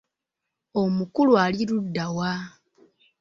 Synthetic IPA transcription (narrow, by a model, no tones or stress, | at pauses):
o̞mukulualiludːawa